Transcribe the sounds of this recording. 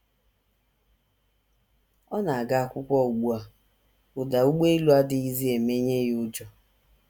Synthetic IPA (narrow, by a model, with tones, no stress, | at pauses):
ɔ˦na˨a˨ɡa˦a˦˨kʷʊ˦kʷɔ˦˨ɡ͡bu˦a˨ | ʊ˨da˨u˦ɡ͡be˦i˦lu˦a˦dɪ˨i˦zi˦e˨me˦ɲe˦jʊ˦d͡ʒɔ˦